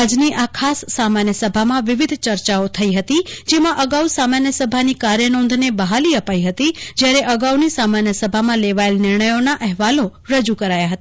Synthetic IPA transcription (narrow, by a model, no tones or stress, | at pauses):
əd͡ʒniʔakʰasːamanjəsəbʱamãʋɪʋɪd̪ʱt͡ʃəɾt͡ʃaot̪ʰəiɦət̪id͡ʒemãʔəɡausamanjəsəbʱanikaɾjənõnd̪ʱnebəɦaliəpaiɦət̪id͡ʒjaɾeʔəɡaunisamanjəsəbʱamãleʋaelnɪɾɳəjonaʔəɦʋaloɾəd͡ʒukəɾajaɦət̪a